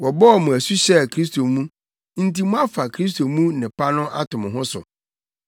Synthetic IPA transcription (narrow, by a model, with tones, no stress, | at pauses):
wɔ˨bɔ˦ɔ˨mʊ̃˨æ˨su˦ɕɛ˦˨kʰɾi˦s̬tʰo˨mũ˦ | n̩˦ti˦mʊ̃˦a˦fa˨kʰɾi˦s̬tʰo˨mũ˦nɪ̃˨pʰa˦nʊ̃˦ʔa̰˦tʰʊ̃˨mʊ̃˨ɦʊ̃˦sʊ̰˨